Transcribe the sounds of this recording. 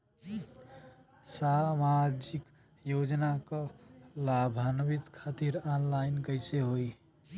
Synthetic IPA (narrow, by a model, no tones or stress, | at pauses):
samad͡ʒik | jod͡ʒnakəlabʱanbit̪kʰat̪iɾanlajnkəɪseɦoj